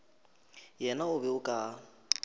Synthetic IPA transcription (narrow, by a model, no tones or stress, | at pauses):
jɛnaʊbɛʊkʼa